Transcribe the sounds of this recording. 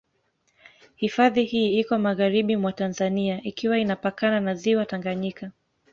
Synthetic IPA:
hifaðihiːikɔmaɣaɾiɓimwatanzaniaʔikiwainapakananaziwataŋɡaɲika

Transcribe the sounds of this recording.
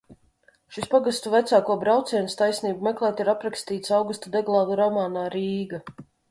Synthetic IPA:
ʃispaɡast̪uvæt̪saːkuɔbɾawt̪sʲiɛnst̪ajsniːbumɛklˠɛːt̪iɾapɾakst̪iːt̪sawɡust̪ad̪ɛɡlˠaːd̪uɾɔmaːnaːɾiːɡa

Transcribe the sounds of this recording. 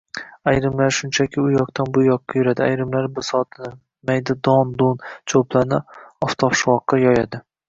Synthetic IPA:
ajɾɪmlaɾʃʊnt͡ʃʰakʲʰɪʊjɒqt̪ʰanbʊjɒqːɑjʊɾad̪ɪajɾɪmlaɾbɪsɒt̪ʰnɪ | majd̪ad̪ɒnd̪ont͡ʃʰoplˠanɪɒft̪ʰɒfʃwɒqːɑjɒjad̪ɪ

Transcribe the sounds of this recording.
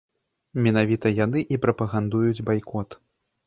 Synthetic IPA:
mʲɛnavʲit̪ɐjanɨʔipɾɐpɐɣand̪ujud͡zʲbajkɔt̪

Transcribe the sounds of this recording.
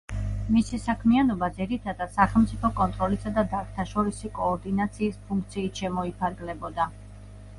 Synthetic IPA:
misisakʰmianɔbad̪ziɾit̪ʰad̪ad̪saχɛlˠmt̪sʼipʰɔkʼɔnt̪ʼɾɔlisad̪ad̪aɾkt̪ʰaʃɔɾisikʼɔːɾd̪inat̪sʰiːspʰuŋk̚ʰt̪sʰiːt̪ʃɛmɔipʰaɾɡlɛbɔd̪a

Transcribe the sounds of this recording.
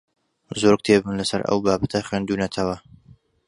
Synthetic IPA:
zoɾɡ̚t̪ʰebɨnlɐsɐɾɐ̰wbaːbɐt̪ʰɐχwend̪uːnɐt̪ʰɐwɐ

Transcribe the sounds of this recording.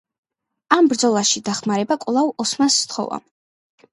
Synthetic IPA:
ambɾd̪zɔlˠaʃid̪aχmaɾɛbakʼlˠavɔsmast̪ʰχɔ̰va̰

